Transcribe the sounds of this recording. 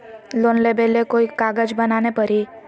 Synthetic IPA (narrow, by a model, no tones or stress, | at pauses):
loːnlebelekoikaɡəd͡ʒbənanepəɾi